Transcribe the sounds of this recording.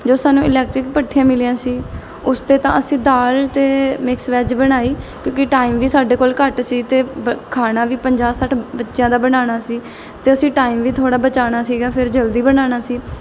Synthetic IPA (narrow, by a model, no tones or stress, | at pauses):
d͡ʒoːsaːnũːʔɪlɛːk̚ʈɾɪk̚pəʈʰːɪjãːmɪlijãːsiː | ʊst̪eːt̪ã̰ːəsĩːd̪aːlt̪eːmɪksʋɛːd͡ʒbəñaːiːkjõːkɪʈaːiːmʋiːsaːɖeːkoːlkəʈsiːt̪eːkʰaːnaːʋiːpəɲd͡ʒaːsəʈʰbətːʃjãːd̪aːbənaːñaːsiː | t̪eːəsĩːʈaːimʋiːt̪ʰoːɽaːbət͡ʃaːnaːsiːɡaːpʰɪɾd͡ʒəld̪iːbənaːñaːsiː